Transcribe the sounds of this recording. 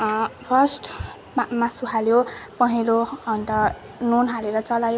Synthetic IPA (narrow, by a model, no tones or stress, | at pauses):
pʰʌrsʈ | masuɦaljopʌɦiloʌnt̪ʌ | nonɦaleɾʌt͡sʌlajo